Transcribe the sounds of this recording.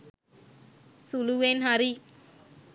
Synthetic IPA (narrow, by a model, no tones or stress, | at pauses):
suluwenɦaɾi